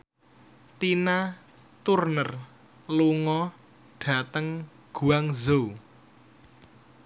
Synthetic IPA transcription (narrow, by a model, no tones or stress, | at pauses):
t̪ina | t̪urnər | luŋɔ | ɖ̥a̤t̪əŋ | ɡ̥ṳaŋzo